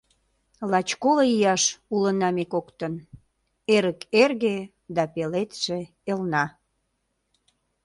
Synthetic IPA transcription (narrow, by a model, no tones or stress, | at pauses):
lɑt͡ɕkoləijɑʃulənɑmekokt̪ən | eɾəkerɣe | d̪ɑpelet̪ʃe | elnɑ